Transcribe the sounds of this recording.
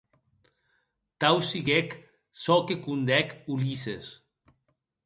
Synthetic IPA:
t̪awsiɣek | sɔkekund̪ɛkulises

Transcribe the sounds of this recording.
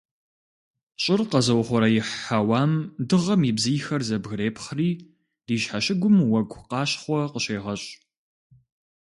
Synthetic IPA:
ɕʼɪrqɐzɐwχʷɔɾɐjɪħawaːmdɨʁɐmiːbzijxɐrzɐbɣreːpʰχriː | d̥iːɕħaɕɪɡʷʊmwɐɡʷʰqɑːɕχʷɔqəɕeːʁɐɕʼ

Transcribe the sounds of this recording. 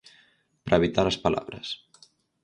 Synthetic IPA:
pɾʔəβit̪aləspəla̰βɾə̰s

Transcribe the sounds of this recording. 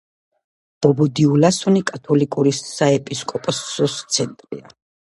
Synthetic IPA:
b̥ɔbɔd̪iulasɔnikʼat̪ʰɔlikʼuɾisaɛpʼiskʼɔpʼɔsɔst̪sʰɛnt̪ʼɾḭa̰

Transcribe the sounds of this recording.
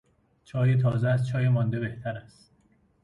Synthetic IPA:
t͡ʃʰɒːjet̪ʰɒːzeæs̚t͡ʃʰɒːjemɒːnd̪e̞be̞ht̪ʰæɾæst̪

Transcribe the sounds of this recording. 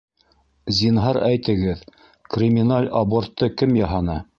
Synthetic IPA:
zʲinɦɑɾæjt̪ɘ̆ɡɘð | krʲɪmʲinalʲabort̪ːɤkɘmjɑɦɑnɑ

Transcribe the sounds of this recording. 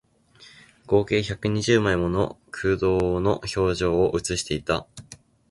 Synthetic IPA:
ɡ̥o̞ːke̞ːçakɯ̟ɲ̟iʑɨːmaimo̞no̞̰kʰɯːd̪o̞ːno̞ço̞ːʑo̞ːʔɯ̟t͡sɨɕi̥t̪e̞it̪a

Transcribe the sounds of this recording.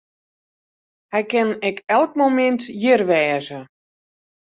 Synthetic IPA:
hɛjkɪnɛkɛlˠk̚momɛntjɪrʋɛːzə

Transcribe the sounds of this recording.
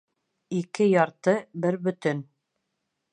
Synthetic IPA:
ikɘjɑɾt̪ɤbɘɾbɵ̆t̪ɵn

